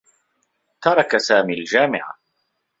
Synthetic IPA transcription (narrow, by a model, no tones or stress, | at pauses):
t̪ɑɾˤɑkasaːmiːald͡ʒaːmɪʕa̰